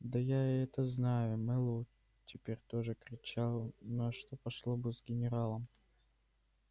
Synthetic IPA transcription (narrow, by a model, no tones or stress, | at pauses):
d̪ɐjaɛt̪əznajʊmɛlˠu | tʲɪpʲeɾʲt̪o̞ʐɨkɾʲɪt͡ɕalˠnɐʂt̪opɐʂlˠobɨzɡʲɪnʲɪɾalˠəm